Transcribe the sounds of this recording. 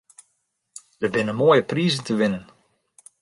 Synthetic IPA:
d̥ərbɪnənmoːjəpriːzəntəʋɪnən

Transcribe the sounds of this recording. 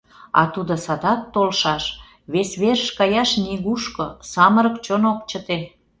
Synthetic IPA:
ɑ̰t̪ud̪ŏsɑd̪ɑt̪ːolʃɑʃ | βesβeɾəʃkɑjɑʃniɣuʃkosɑməɾə̆kt͡ɕonokt͡ɕət̪e

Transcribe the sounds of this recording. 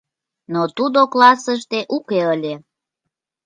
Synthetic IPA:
not̪ud̪oklɑsəʃt̪eʔukeəlʲe

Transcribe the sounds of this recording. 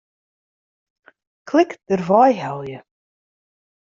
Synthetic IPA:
kʰlɪkt̪ʏɾvaːjɦawljʏ

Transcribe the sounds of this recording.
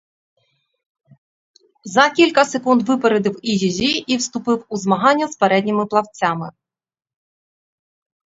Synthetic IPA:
zɐkʲilʲkɐsekund̪ʋɪpeɾed̪ɪwizʲizʲiʔiwst̪ʊpɪwuzmɐɦɑnʲːɐspeɾɛdʲnʲimɪplˠɐwt͡sʲamɪ̰

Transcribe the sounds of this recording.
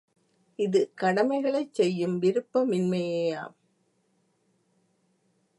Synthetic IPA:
ɪðɯkɐɽɐmɐɪɣɐɭɐɪt͡ʃsɛjːɯmʋɪɾɯpːɐmɪnmɐjeːa̰ːm

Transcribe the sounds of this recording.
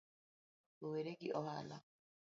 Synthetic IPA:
oweɾeɡiʔɔha̰la

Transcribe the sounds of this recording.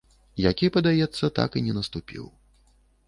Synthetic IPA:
jakʲipɐd̪ajɛt̪sːɐt̪a̰kɨnʲɛnɐst̪upʲḭw

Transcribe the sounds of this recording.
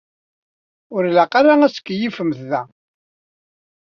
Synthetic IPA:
ʊɾlæqaɾaæskːjifəmθðæ

